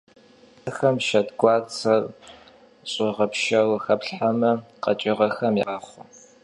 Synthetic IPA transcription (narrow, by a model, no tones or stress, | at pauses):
ɐxɐmʃɐdɡʷɑːt͡sʰɐr | ɕʼɔʁɐpʃɐwxɐpɬħamɐqɐt͡ʃʼɪʁɐxɐmiʁaχʷʊ